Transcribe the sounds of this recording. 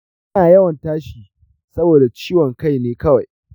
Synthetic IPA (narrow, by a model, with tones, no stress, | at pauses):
ɐ˦naː˨jɐ˦wɐ˨ntaː˦ʃiː˨ | sɐ˦boː˨da˨t͡ʃiː˦wɔ˨ŋka˦jneː˦kɐ˦wa˨j